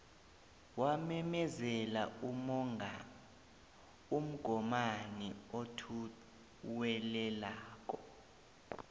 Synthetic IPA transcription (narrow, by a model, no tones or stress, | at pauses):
wamɛmɛzɛla̰umɔŋ | um̩ɡ̥ʱɔmaniotʰu | wɛlɛlaːk̬ʼɔ